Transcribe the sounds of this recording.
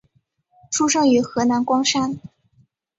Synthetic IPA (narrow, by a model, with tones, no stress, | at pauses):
ʈ͡ʂʰu˥ʂɤ˥˩ŋy˧˥xɤ˧˥na˧˥nkwɑ˥ŋʂa˥˩n